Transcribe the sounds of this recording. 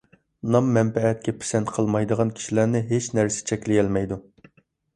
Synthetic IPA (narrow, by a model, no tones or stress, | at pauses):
nɑmːɛmpɛɛt̪̚kʲʰɛpʰe̥sɛnt̪qʰəlˠmɑjd̪əʁɑnkʲʰi̥ʃilænɪɦet͡ʃnæɾsɪ̥t͡ʃʰɛkʲlɪjɛlmɛjd̪u